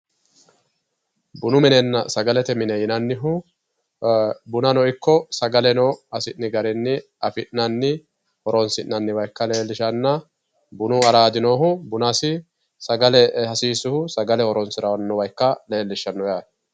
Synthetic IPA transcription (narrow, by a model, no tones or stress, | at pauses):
bʊnʊmɪnɛnːɐsɐɡɐlɛt̪ɛmɪnɛjɪnɐnːɪɦʊ | bʊnɐnɔɪkːɔsɐɡɐlɛnɔhɐsɪnːɪɡɐɾɪnːɪ | ɐfɪʔnɐnːɪ | hɔɾɔnsɪnːɐnːɪwɐjkːɐle̞ːlːɪʃɐnːɐ | bʊnʊɐɾaːd̪ɪnoːɦʊbʊnasɪ | sɐɡɐlɛɐsiːsʊhʊsɐɡɐlɛhɔɾɔnsɪɾɐwɐnːɔwɐjkːɐle̞ːlːɪʃːɐnːɔjaː